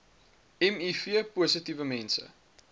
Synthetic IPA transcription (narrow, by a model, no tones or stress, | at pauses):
ɛmifiəpuəsətivəmɛnsə̰